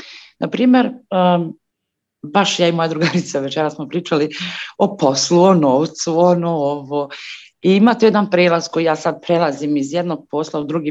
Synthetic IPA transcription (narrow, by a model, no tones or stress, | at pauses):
nʔapɾiːmjeɾə | baʃjaːimo̞jad̪ɾuɡaɾit̪saʋe̞t͡ʃeɾasmo̞pɾiːt͡ʃaliopo̞sluonoːʋt̪suonooʋoː | iimaːt̪ejed̪anpɾeːlaz̥ko̞jijaːsad̪̚pɾelˠazimizjed̪no̞ɡ̚po̞ːslˠaud̪ɾuɡi